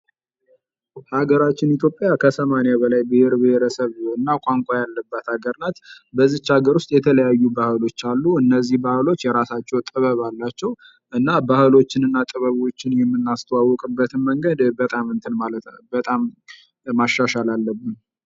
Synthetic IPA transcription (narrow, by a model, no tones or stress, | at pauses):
haɡəɾat͡ʃːɪnit̪ʰjo̞pʼjakʰəsəmanjaβəlajbɨheɾbɨheɾəsəβɨnːakʷʼaŋkʷʼajalːəbːət̪haɡəɾnat̪bəzːiht͡ʃaɡəɾwʊst̪ʼjɛt̪ʰələjajːubahɨlo̞t͡ʃːalːuɨnːəzːihbahɨlo̞t͡ʃːjɛɾasat͡ʃːɛwt̪ʼɨβəβalːat͡ʃːɛw | ʔɨnːabahɨlo̞t͡ʃːɪnɨnːat̪ʼɨβəβo̞t͡ʃːɪnjɛmːɨnːast̪ʰəwawːɔkʼɨbːət̪ʰɨnməŋɡəd̪bət̪ʼamɨnt̪ʰɨnmaləbət̪ʼamː | aʃːaʃalalːəbːɨn